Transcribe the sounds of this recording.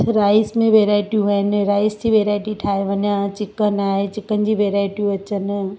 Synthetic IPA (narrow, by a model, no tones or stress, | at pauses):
ɾaːɪsmẽʋeːɾaːɪʈijũɦəɪnɪ̆ɾaːɪst̪ʰiʋeːɾaːɪʈiʈʰaːɦeʋɐɲãt͡ɕɪkənaːɦet͡ɕɪkənɪ̆d͡ʑiʋeːɾaːɪʈijũɐt͡ɕən̆